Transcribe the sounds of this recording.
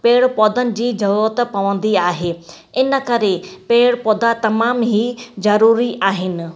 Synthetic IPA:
peːɽpɔːd̪ənɪ̆d͡ʑiːd͡ʑɐʋoːt̪pɐʋə̃n̆d̪iaːɦeː | ɪnə̆kɐɾepeːɽpɔːd̪at̪ɐmaːmɦiːzɐɾuːɾiʔaːɦɪnɪ̆

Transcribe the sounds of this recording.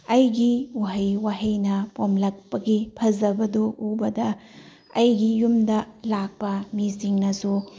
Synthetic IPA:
ɐjɡiwaɦɐjwaɦɐjnɐpomlɐk̚pɐɡipʰɐzɐbɐdoubɐdɐ | ɐjɡijumdɐlak̚pɐmisiŋnɐsu

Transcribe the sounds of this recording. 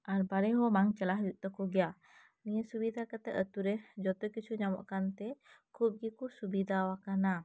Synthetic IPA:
ʔanbaɾeɦomaŋt͡ʃəlaɦjuʔt̪əkuɡia | niəsubid̪akət̪əʔət̪uɾehd͡ʒɔt̪ɔjkət͡ʃuɲamɔʔkant̪e | kʰuɡikusubid̪awakana

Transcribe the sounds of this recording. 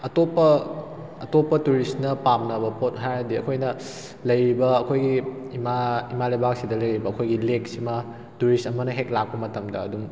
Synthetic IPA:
ɐtopːɐː | topːɐtuɾistnɐpamnɐbɐpot̚ɦajɾɐdiɐkʰojnɐ | lɐjɾibɐːkʰojɡiːmaimalɐjbak̚sidɐlɐjɾibɐːkʰojɡilek̚simɐ | tuɾistɐmɐnɐɦek̚lak̚pɐmɐtɐmdɐɐduŋ

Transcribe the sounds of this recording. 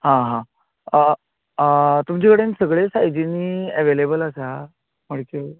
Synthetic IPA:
ɦãɦã | ə | t̪umd͡ʑikəɽensəɡɭesajd͡ʑiniəʋelebələsa | məɽke

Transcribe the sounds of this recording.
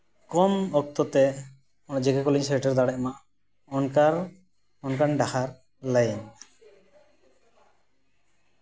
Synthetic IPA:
kɔmɔk̚t̪ɔt̪ɛ | d͡ʒɛɡakɔliɲsɛɾʈəɾd̪aɽɛʔmaʔ | ɔnkaɾ | ɔnkaɳɖaxaɾ | lajɛn

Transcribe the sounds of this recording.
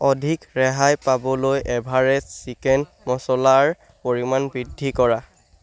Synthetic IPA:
ɔdʱikɹɛɦajpabɔlojʔɛbʱaɹɛsikɛn | mɔsɔlaɹ | poɹimanbɹidʱːikɔɹa

